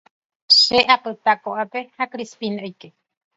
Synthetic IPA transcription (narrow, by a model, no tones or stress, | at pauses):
ʃeʔapɨt̪akoʔape̞hakɾispinojke